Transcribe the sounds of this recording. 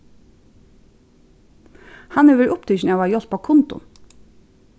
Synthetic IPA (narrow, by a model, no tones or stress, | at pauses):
hɑnʉːʋəɾʔʊpt̪ʰʏʃn̩ɛʋɑːjɔlpʰoːkʰʊnt̪ʊ̰